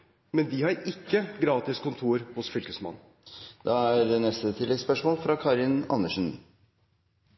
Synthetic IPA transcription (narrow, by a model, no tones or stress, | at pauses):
mɛnd̪ɪhɑɾɪkːəɡɾɑːt̪ɪskʰʊnt̪ʰuːɾhʊsfʏlkəsmɑ̰nː | d̪̥ɑæɾnɛst̪ət̪ʰɪlːɛɡspœʂmoːlfɾɑkʰɑːɾɪnɑ̰nːəʂən